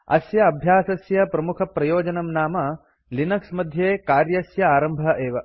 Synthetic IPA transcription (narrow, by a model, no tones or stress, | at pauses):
ɐ̰sjɐɐbʱjaːsɐsjɐpɾɐmukʰɐpɾɐjoːd͡ʒɐnɐmnaːmɐ | linɐksmɐd̪ʱjeːkaːɾjɐsjɐaːɾɐmbʱɐʔeːʋɐ